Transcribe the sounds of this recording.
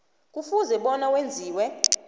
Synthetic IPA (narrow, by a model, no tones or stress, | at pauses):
k̬ʼufuzɛɓɔnawend͡zʱiːwɛ